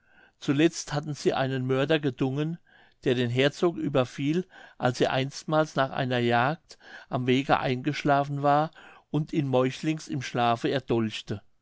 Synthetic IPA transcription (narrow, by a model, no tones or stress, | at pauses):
t͡sulɛt͡sthatn̩z̥iːʔa̰ɪnənmœɐdɐɡəzʊŋən | d̥eːɐdeːnɦɛɐt͡soːkʔyːbɐfiːlʔalsiːʔa̰ɪnstmaːlsnaːχʔa̰ɪnɐjaːk̚tʔamveːɡə̰ʔa̰ɪnɡəʃlaːfn̩vaːɐʔʊntʰiːnmɔʏçlɪŋsɪmʃlaːfəɛɐd̥ʊlçtə